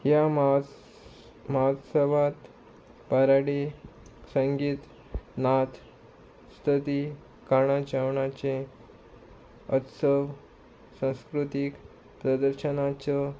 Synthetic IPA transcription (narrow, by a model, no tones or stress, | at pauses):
ja | məɦot̪səʋat̪ | paɾaɽisəŋɡiːt̪ | nat̪ | st̪ʰət̪i | kaɳ̃at͡ɕaʋɳat͡ɕẽ | ət̪səʋ | sə̃w̃skɾut̪ik | pɾəd̪əɾɕənat͡sɔ